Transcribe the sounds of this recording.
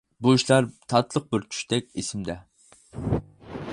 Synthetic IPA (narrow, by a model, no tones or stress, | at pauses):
buiʃlˠɑɾt̪ʰɑt̪lˠəq̚bɪɾt͡ʃʰy̥ʃt̪ʰɛk̚ʲesɪmd̪ɛ